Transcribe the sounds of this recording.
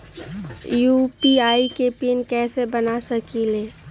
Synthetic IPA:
jupiaikepinkɛːsebənasəkileː

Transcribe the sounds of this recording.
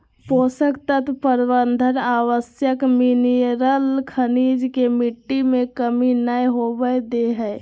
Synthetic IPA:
posəkt̪ət̪pəɾbənd̪ʱənaʋəsjəkminiɾəlkʰənid͡ʒkemiʈːimekəminəjɦobəd̪eɦəj

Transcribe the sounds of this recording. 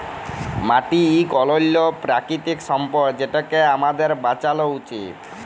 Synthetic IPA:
maʈiikɔlɔlːɔpɾakɾit̪iksɔmpɔɾkd͡ʑeʈakeamad̪eɾbat͡ʃalɔut͡ʃit̪

